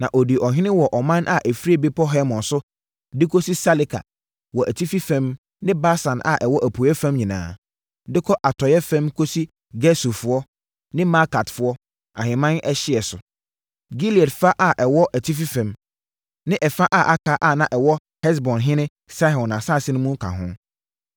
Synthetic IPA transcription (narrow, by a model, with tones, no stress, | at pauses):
nã˨ʔɔ˨di˨ʔɔ˨ɦɪ̃˦ɪ̃˦wɔ˨ʔɔ˨mã˦nʔa˦ʔæ˨fi˦æ˨bi˦pʰɔ˦ɦɛ˦mɔ̃˨nsʊ˦ | dɪ˦kʰo˦si˦sa˦li˦kʰa̰˨ | wɔ˨ʔæ˨tʰi˦fi˦fɛ̃˦m | nɪ̃˦ba˦sã˨nʔa̰˨ʔɛ˨wɔ˦ʔæ˨pʰu˨ɛ˦fɛ̃˦mɲĩ˨nã̰ː˨ | dɪ˦kʰɔ˦ʔa˨tʰɔ˨jɛ˦fɛ̃˦mkʰo˦si˦ | ɡɛ˦su˨fʊ˦ɔ˦ | nɪ̃˦ma˦ka˨tfʊ˦ɔ˦ | ã̰˨ɦɪ̃˨mã˦nʔɛ˦ɕɪ˦ɛ˨sʊ˨ | ɡi˦li˨ɛ˨tfa˦ʔa˦ʔɛ˨wɔ˦ʔæ˨tʰi˦f̬i˦fɛ̃˨m | nɪ̃˦ʔɛ˨fa˦ʔa˦˨ʔa˦kʰa˦ʔa˦˨nã˦ʔɛ˨wɔ˦ | hɛ˦s̬bɔ̃˨nɦɪ̃˦nɪ̃˦ | sa˦ɦɔ̃˨nã˨sa˦˨sɪ˦nʊ̃˦mũ˦kʰã̰˨ɦʊ̃˦